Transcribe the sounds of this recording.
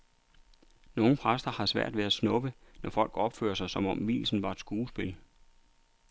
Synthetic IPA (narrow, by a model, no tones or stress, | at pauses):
no̝ːŋn̩pʰʁasd̥ɐhɑ̈sʋæɐ̰d̥ʋe̝æsnɔ̽b̥ənɒfɒ̽l̰ɡ̥ɒ̽b̥fø̰ːɐsɑ̈ɪsɒ̽mɒ̽mʋḭːlsn̩ʋɑ̈ed̥sɡ̥uːsb̥e̝l